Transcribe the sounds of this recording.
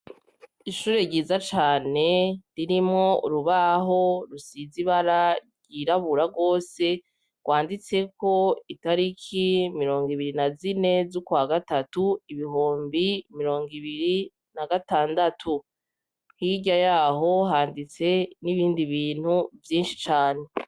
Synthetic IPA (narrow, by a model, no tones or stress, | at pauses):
iʃuːɾe̞ɟiːzat͡ʃaːne̞ɾiɾimŋo̞ṵɾuβaɦo̞ɾusiziβaɾa | ɟ̥iɾaβuɾaɡo̞ːse̞ | ɡ̥wʔaːndit͡se̞ko̞itaɾikʰimiɾo̞ːŋɡiβiɾinazine̞zukwaːɡatatuiβiɦoːmbimiɾo̞ːŋɡiβiɾi | naɡataːndatʰu | hiɟajaːɦo̞ɦaːndit͡se̞niβiːndiβiːn̥huvjiːnʃi̥t͡ʃaːne̞